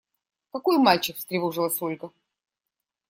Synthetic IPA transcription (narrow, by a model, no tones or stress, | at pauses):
kɐkojmalʲt͡ɕɪkst̪ɾʲɪvoʐɨlˠəsolʲɡə